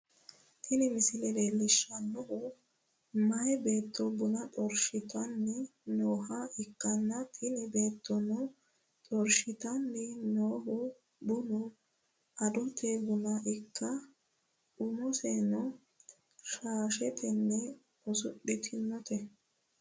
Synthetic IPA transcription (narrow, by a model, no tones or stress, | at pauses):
t̪ʰɪnɪmɪsɪlɛleːlːɪʃːɐnɔhʊ | mɐjbe̞ːt̪ʰːɔbʊnɐtʼɔɾʃɪt̪ɐnːɪnoːhɐɪkːɐnːɐt̪ʰɪnɪbe̞ːt̪ʰːɔnɔ | t̪ʼɔɾʃɪt̪ɐnːɪnoːɦʊ | bʊnʊ | ɐd̪ɔt̪ʰɛbʊnɐʔɪkːɐ | ᶑʊmɔsɛnɔ | ʃaːʃɛt̪ʰɛnːɛ | ɔsʊɗːɪt̪ʰɪnːɔt̪ɛ